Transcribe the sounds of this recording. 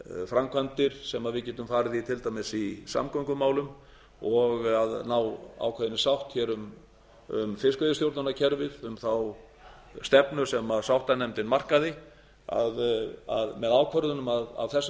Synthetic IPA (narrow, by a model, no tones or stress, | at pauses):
fɾamkʰant̪ɪɾ̥sɛmaðvɪðcɛːt̪ʏmfaːɾɪðit̪ʰɪlt̪ajmɪsisa̰mkʰɔŋkʏmaːwlʏm | ɔɣaðnawa̰ːwkʰvœɾðɪnɪsawht̪çɛːɾʏm | ʏ̰mfɪskœðʏst̪jowɾt̪nanacʰɛɾvɪðʏmθaw | st̪ɛpnʏ̥sɛmaðsawht̪anɛmt̪ɪnmar̥kaðɪ | a̰ða̰ðmɛðaːwkʰœɾðʏnʏmaða̰vθɛs